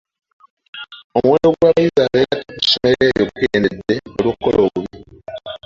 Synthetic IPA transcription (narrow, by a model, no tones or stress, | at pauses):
omuweːno̞ɡwaβajizaːβeːɾatikusome̞eːjokkḛːnedːe̞olwokːo̞̰lʔoβuβi